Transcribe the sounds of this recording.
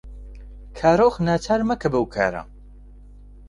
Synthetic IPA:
kʰaːɾoːxnaːt͡ʃʰaːɾmɐkʰɐbɐwkʰa̰ːɾa̰

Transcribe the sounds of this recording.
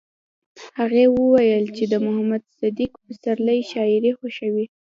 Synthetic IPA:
haɣewəwajəlt͡ʃed̪əmʊhamad̪sad̪ikpəsaɾləjʃɑɪɾexoʃəwi

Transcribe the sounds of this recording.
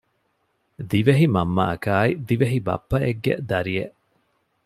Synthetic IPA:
d̪iʋeɦimɐmːɐʔɐkaːid̪iʋeɦibɐ̰pːɐeɡːḛd̪ɐɾieʔ

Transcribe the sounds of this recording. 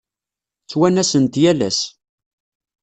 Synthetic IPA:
t͡sːwænæsənt̪jælæ̰s

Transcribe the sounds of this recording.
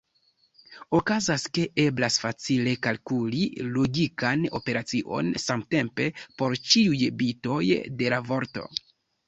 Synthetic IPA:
okazaske̞e̞blasfat͡sile̞kalkulilo̞ɡikano̞̰pe̞ɾat͡siʔo̞̰nsamte̞mpe̞po̞ɾt͡ʃiujbito̞jde̞lavo̞ɾto̞̰

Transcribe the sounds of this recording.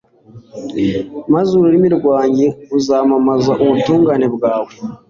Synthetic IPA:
mazuɾoɾimiɾɡwaːɲɟeuzaːmamazaʔoβutuːŋɡaːne̞bɡaːβo

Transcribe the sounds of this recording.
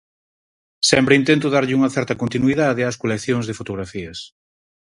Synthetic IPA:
sɛmpɾeint̪ent̪ʊðaɾʎɪuŋɐθɛɾt̪ɐkont̪inwiðaðɪɐskolekθjoŋzðefot̪oɣɾafiɐs

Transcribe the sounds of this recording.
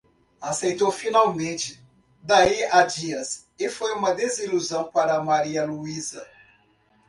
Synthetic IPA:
asejt̪owfinawmẽt͡ʃɪ̥ | d̪aiad͡ʒiɐs | ɪfojũmɐd̪eziluzɐ̃w̃paɾɐːmaɾiɐluizɐ̰

